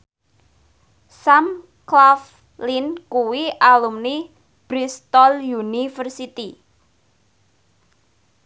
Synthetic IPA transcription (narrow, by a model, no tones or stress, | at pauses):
sam | klaf | linkuwiʔalumni | b̥ɾist̪ɔljunifərsit̪i